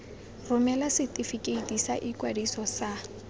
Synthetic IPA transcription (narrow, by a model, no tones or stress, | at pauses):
rʊmɛlasɪtʼifikʼeitʼisa̰ʔɪkwadisɔsa